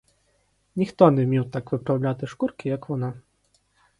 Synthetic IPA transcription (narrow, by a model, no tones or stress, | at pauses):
nʲixt̪ɔnʲɛmʲiwt̪akvɨpɾawlʲat̪ɨʂkurkʲijɐkvɔna